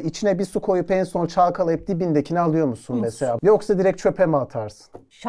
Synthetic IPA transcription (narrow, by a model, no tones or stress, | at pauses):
it͡ʃʰinɛbisukʰo̞jupɛnso̞nt͡ʃʰalˠkʰalˠajɯp̚d̪ibind̪ecʰinɛalˠɯjo̞ɾmusunmeselʲaːjo̞ksad̪iɾɛc̚t͡ʃʰø̞pʰemat̪ʰaɾsɯ̥n